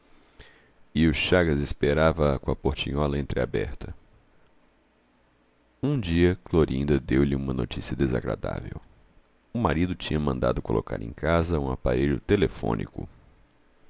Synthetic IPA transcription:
ɪʊʃaɡɐzespeɾavɐkõɐpoɾt͡ʃĩɲɔlɐẽnt̪ɾɪa̰bɛ̰ɾt̪ɐ | ũd͡ʒiɐkloɾĩnd̪ɐd̪ewlɪũmɐnot͡ʃisiɐd̪eza̰ɡɾa̰d̪a̰vḛw | ʊmaɾid̪ʊt͡ʃĩɲɐmɐ̃nd̪a̰d̪ʊkolo̰ka̰ɾʔḛ̃j̃kazɐũapaɾeʎʊt̪elefõ̰nʔḭkʊ̰

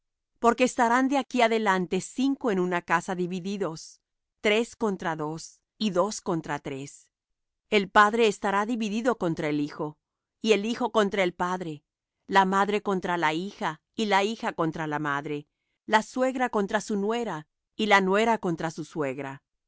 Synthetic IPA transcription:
po̞ɾke̞ːst̪aɾand̪eakiaðe̞lant̪e̞siŋko̞e̞nunakasaðiβiðiðo̞s | t̪ɾe̞sko̞nt̪ɾaðo̞s | iðo̞sko̞nt̪ɾat̪ɾe̞s | e̞lpaðɾe̞ːst̪aɾaðiβiðiðo̞ko̞nt̪ɾaelixo̞ | ie̞lixo̞ko̞nt̪ɾae̞lpaðɾe̞ | lamaðɾe̞ko̞nt̪ɾalaixa | ilaixako̞nt̪ɾalamaðɾe̞ | laswe̞ɣɾako̞nt̪ɾasunwe̞ɾa | ilanwe̞ɾako̞nt̪ɾasuswe̞ɣɾa̰

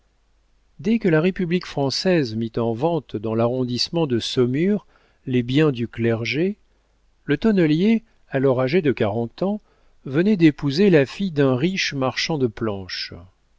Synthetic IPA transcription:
d̪ɛkəlaʁepyblikfχɑ̃sɛzmit̪ɑ̃vɑ̃t̪d̪ɑ̃laʁɔ̃d̪ismɑ̃d̪əsɔmyʁ | lebjɛ̃d̪yklɛʁʒe | lət̪ɔnəlje | alɔʁaʒed̪əkaʁɑ̃t̪ɑ̃ | vənɛd̪epuzelafijd̪ɛ̃ʁiʃmaʁʃɑ̃d̪əplɑ̃ʃ

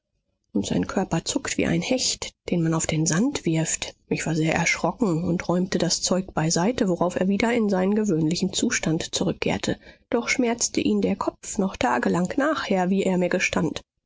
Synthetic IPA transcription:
ʔʊntz̥a̰ɪnkʰœɐpɐt͡sʊktv̥ḭːʔa̰ɪnhɛçtd̥eːnmanaʊfd̥eːnzantv̥ɪɐftmɪçv̥aːɐzeːɐʔɛɐʃʁ̥ɔkŋ̩ʊntʁɔʏmtədast͡sɔʏk̚b̥aɪzaɪtəvoʁaʊfḛːɐviːdɐɪnzaɪnənɡəvøːnlɪçn̩t͡suːʃtantt͡suʁʏkʰːḛːɐtʰəd̥ɔχʃmɛɐt͡stəʔiːndeːɐkʰɔpfnɔχtʰaːɡəlaŋknaːχheːɐviːʔeːɐmiːɐɡəʃtʰant

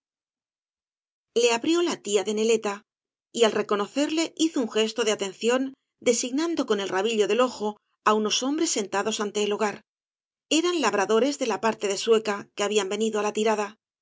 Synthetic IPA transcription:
le̞aβɾjo̞lat̪iaðe̞ne̞le̞t̪a | ialre̞ko̞no̞θe̞ɾle̞iθouŋxe̞st̪oðeat̪e̞nθjo̞n | d̪e̞siɣnand̪o̞ko̞ne̞lraβiʎo̞ðe̞lo̞xo̞ | auno̞so̞mbɾe̞sːe̞nt̪aðo̞sant̪e̞ːlo̞ɣ̞aɾ | e̞ɾanlaβɾaðo̞ɾe̞zðe̞lapaɾt̪e̞ðe̞swe̞kake̞aβiambe̞niðoalat̪iɾaða

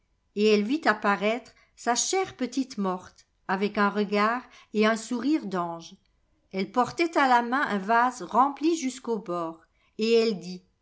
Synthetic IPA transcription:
eɛlvit̪apaʁɛt̪χ | saʃɛʁpət̪it̪mɔʁt̪ | avɛkɛ̃ʁəɡaːʁ | eɛ̃suʁiʁd̪ɑ̃ʒ | ɛlpɔʁt̪ɛt̪alamɛ̃ʔɛ̃vazʁɑ̃pliʒyskobɔːʁ | eɛld̪i

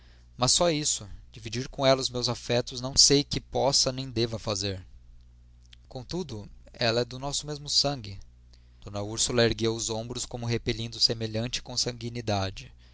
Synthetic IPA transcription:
mɐsːɔisʊd͡ʒivid͡ʒiɾkõɛlɐʊzmewzafɛt̪ʊznɐ̃w̃sejkɪpɔsɐnẽj̃d̪evɐfazeɾ | kõt̪ud̪ʊɛlɐɛd̪ʊnɔsʊmezmʊsɐ̃ŋɡɪ | d̥̪õnɐuɾsulɐeɾɡewʊzõbɾʊskõmʊɦepeʎĩnd̪ʊsemeʎɐ̃nt͡ʃɪ̥kõsɐ̃ŋɡinid̪ad͡ʒɪ

